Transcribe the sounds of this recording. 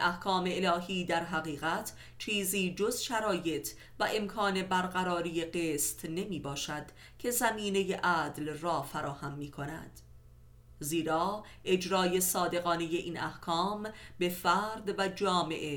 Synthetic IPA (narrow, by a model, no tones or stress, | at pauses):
ʔæhkʰɒːme̞elɒːɦiːd̪æɾɦæɣiːɣæt̪ʰ | t͡ʃʰiːziːd͡ʒozʃæɾɒːje̞t̪ʰ | væʔe̞mkʰɒːne̞bæɾɢæɾɒːɾije̞ɢeːst̪ne̞miːbɒːʃæd̪̥ | cʰe̞zæmiːne̞je̞ʔæːd̪lrɒːfæɾɒːhæmːiːkʰo̞næ̰d̪̥ | ziːɾɒː | ʔe̞d͡ʒɾɒːje̞sɒːd̪e̞ɣɒːne̞je̞ʔiːnæhkʰɒːmbe̞fæːɾd̪væd͡ʒɒːme̞̰ʔe